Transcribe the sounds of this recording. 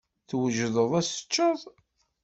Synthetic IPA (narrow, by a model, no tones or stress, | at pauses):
θwəʒðəðˤæsə̥t͡ʃːəðˤ